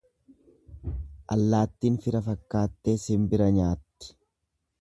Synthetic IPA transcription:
ʔɐ̰lːaːt̪ːiːnfɪɾɐfɐkːaːt̪ːeːsɪmbɪɾɐɲaːt̪ːɪ̥

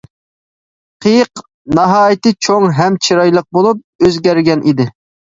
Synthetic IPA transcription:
qʰɨjəq | nɑɦɑːjit̪ɨt͡ʃʰoŋɦɛmt͡ʃʰiɾɑjlˠəq̚bolˠup̚øzɡʲɛɾɡʲɛnʔid̪ɪ

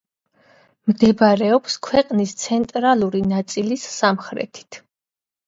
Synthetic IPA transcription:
md̪ɛbaɾɛɔpskʰwɛqʼnist̪sʰɛnt̪ʼɾalˠuɾinat̪sʼilisːamχɾɛ̰t̪ʰi̥t̪ʰ

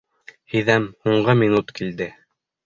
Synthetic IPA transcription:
hiðæmhuɴɢɤminut̪kild̪ɘ

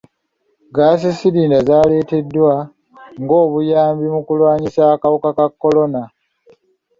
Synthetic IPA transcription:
ɡaːsisiɾiːndazaːle̞ːte̞dːwa | ŋɡo̞ːβujaːmbimukulwaːɲisakawukakakːo̞lo̞na

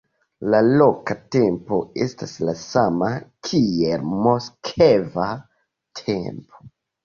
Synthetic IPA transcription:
lalo̞kate̞mpo̞e̞̰staslasamakʰielmoskʰeva | tʰe̞̰mpo̥

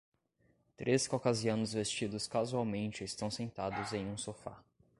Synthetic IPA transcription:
t̪ɾeskokaziɐ̃nʊzvest͡ʃid̪ʊskazuawmẽnt͡ʃɪːst̪ɐ̃w̃sẽnt̪ad̪ʊzẽj̃ũsofa̰

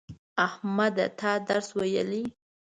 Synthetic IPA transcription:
ahmad̪a̰t̪ʰɑd̪aɾswaja̰li

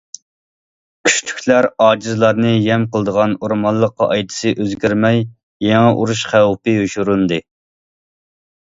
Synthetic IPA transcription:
kʲʰy̥ʃt͡ʃʰy̥kʲʰlæɾɑːd͡ʒizlˠɑɾnɨjɛmqəlˠd̪əʁɑnuɾmɑlˠːəqːɑʔɑjd̪ɨ̥sɨʔøzɡʲyɾmɛj | jɛŋɛʔuɾuʃχæwpɨjuʃuɾund̪ɨ

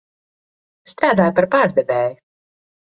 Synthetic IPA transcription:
st̪ɾaːd̪aːjpaɾpaːɾd̪ɛvɛːju

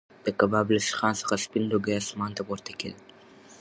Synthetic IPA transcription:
d̪̥əkabɑblasxɑnsə̥xaspinloɡajɑsmɑnt̪apoɾt̪akḛd̪

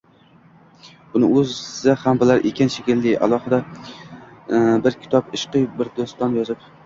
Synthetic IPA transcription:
ʊnɪ̰ʔɵzzahambɪlaɾʔekʲanʃekʲɪlːɪa̰lˠɒhɨd̪a | bɪɾkʲʰɪ̥t̪ʰɒpɪʃqɨjbɪɾd̪ost̪ɒnjɒzɪp

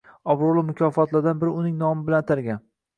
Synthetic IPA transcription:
ɒbɾolˠɪmʊkʲʰɒfɒt̪lad̪anbɪɾɪʊnɪŋnɒmɪbɪlant̪ʰɪɾɡʲan

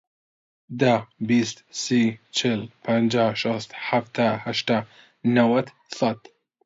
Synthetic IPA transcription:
d̪abist̪sit͡ʃʰɪlpʰand͡ʒaʃast̪ħaft̪ahaʃt̪a | nawat̪ | sat̪

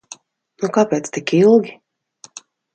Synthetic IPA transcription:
nukaːpeːt̪st̪ikilˠɡʲi

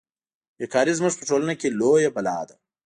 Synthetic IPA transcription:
jekaːɾizməʐpɐʈoːlɐnakeloːjɐbɐla̰ːd̪ɐ

